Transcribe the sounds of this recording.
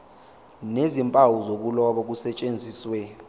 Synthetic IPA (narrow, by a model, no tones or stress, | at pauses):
nezimpʼawuzok̬ulɔɓɔk̬usɛt͡ʃʼend͡zʱiːswɛ